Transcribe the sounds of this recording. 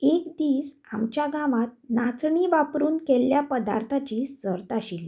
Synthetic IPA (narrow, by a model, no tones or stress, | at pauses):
ekd̪iːs | a̰mt͡ɕjaɡãʋat̪̚nat͡sɳiʋapɾuːnkelːjapəd̪a̰ɾt̪ʰat͡ɕiːsəɾt̪aɕil